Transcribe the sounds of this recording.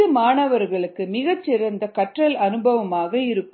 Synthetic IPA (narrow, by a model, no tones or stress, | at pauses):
ɯmaːɳɐʋɐɾɣɐɭɯkːɯmɪɣɐt͡ʃːɪɾɐnd̪ɐkɐʈrɐlɐnɯbɐʋɐmaːɣɐɪɾɯkːɯ